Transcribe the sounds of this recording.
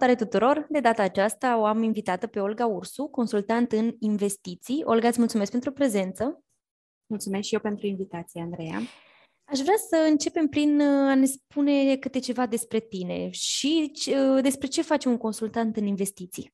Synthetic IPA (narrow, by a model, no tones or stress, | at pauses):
t̪aɾet̪ut̪uɾo̞rd̪e̞d̪at̪aːt͡ʃast̪aoaminvit̪at̪əpe̞o̞lɡaursuko̞nsult̪ant̪ɨninve̞st̪it̪sio̞̰lɡat̪sʲmult̪sumeskpent̪ɾupɾe̞ze̞nt̪sə | mult̪sumeskʃijewpe̞nt̪ɾuinvit̪at̪sijeand̪ɾeja̰ | aʃvɾeasəɨnt͡ʃe̞pe̞mpɾinane̞spune̞kɨt̪e̞t͡ʃe̞vad̪e̞spɾe̞t̪ine̞̰ʃit͡ʃd̪e̞spɾe̞t͡ʃe̞fat͡ʃemuŋko̞nsult̪ant̪ɨninve̞st̪it̪sḭ